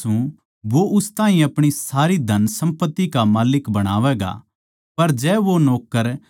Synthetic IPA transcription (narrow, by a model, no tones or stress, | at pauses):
ũ | ʋoʔʊst̪ãːɦĩɐpɽ̃isaːɾid̪ʱɐnsɐ̃mpət̪ːikamaːlɪkbɐɽ̃aːʋɛːɡa̰ | pɐɾd͡ʒɛːʋonoːkːəɾ